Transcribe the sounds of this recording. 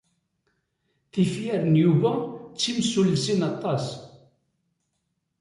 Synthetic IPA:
θifjæɾənjuvæt͡sːimsulsinɑt̪ˤːɑs

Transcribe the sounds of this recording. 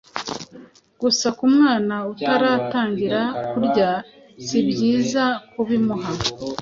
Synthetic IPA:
ɡ̥usakumŋaːnautaɾaːtaːɲɟiɾakuɾɟa | zibɟiːzakuβimuɦa

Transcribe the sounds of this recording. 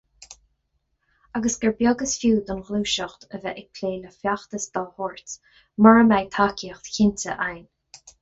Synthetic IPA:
aɡəsɡəɹbjɔɡəsfjuːd̪ɔnɣluːʃəxt̪əvɛʔɪkʰleːləfjaxt̪əsd̪̥ɔlhɔːɹt | məɹəmajt̪ʰakʰiəxt̪çɪntə̰ʔajn

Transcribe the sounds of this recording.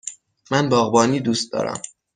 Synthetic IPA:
mænbɒːɣbɒːniːd̪uːst̪̚d̪ɒ̰ːɾæ̰m

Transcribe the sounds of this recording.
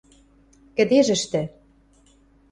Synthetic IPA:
kɘ̆d̪eʒɘ̆ʃt̪ɘ̆

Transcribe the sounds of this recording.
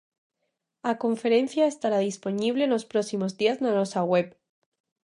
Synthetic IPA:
ako̞ɱfe̞ɾe̞n̟θjaest̪aɾaðispo̞niβle̞nlo̞spɾo̞simo̞zðiaznano̞saɣwe̞p

